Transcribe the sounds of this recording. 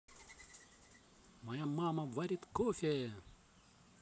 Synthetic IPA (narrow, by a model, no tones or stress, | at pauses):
mɐjamaːmɐʋɐɾit̪koːfe